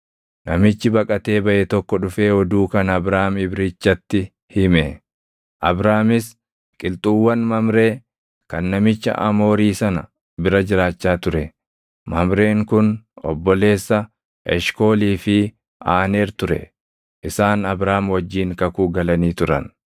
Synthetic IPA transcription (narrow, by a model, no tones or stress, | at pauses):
nɐmɪt͡ʃːɪbɐkʼɐt̪e̞ːbɐʔɛt̪ɔkːɔᶑʊfe̞ːɔd̪uːkɐnɐbɾaːmɪbɾɪt͡ʃːɐt̪ːɪ | hɪmɛ | ʔɐbɾaːmɪs | kʼɪlt̪ʼuːwːɐnmɐmɾe̞ː | kɐnːɐmɪt͡ʃːɐ̰ʔɐmo̞ːɾiːsɐnɐ | bɪɾɐd͡ʒɪɾaːt͡ʃːaːt̪ʊɾɛ | mɐmɾe̞ːŋkʊnɔ̰bːɔle̞ːsːɐ | ɛ̰ʃko̞ːliːfɪ | aːne̞ːɾt̪ʊɾɛ̰ | ʔɪsaːnɐbɾaːmwɐd͡ʒːiːŋkɐkuːɡɐlɐniːt̪ʊɾɐ̰n